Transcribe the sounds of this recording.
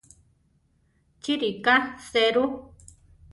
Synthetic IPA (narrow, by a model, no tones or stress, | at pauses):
t͡ʃiɾikaseɾu